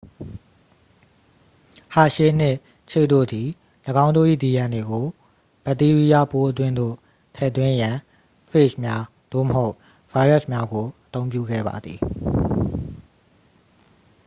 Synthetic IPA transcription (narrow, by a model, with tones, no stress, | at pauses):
ha̰˦˨ʃe˦˨n̥ɪ˦˨ʔ | t͡ɕʰe˦˨t̪o̰˦˨d̪i˨ | ləɡã˦ʊ̃ndo̰˦˨ʔḭ˦˨d̪i˨jã˨nde˨ɡo˨ | b̥ə˨t̪i˦ɹi˦ja˦˨po˦ʔət̪̬wɪ̃˦nd̪o̰˦˨ | tʰɛ̰˦˨ʔt̪wɪ̃˦jã˨ | fʰe˦˨ʃmja˦ | d̪̥o̰˦˨məɦo˦ʊʔ | v̥a˦ɪɹɛ˦˨smja˦ɡo˨ʔət̪õ˦ʊ̃p̬jṵ˦˨ɡɛ̰˦˨ba̰˨d̪ði˨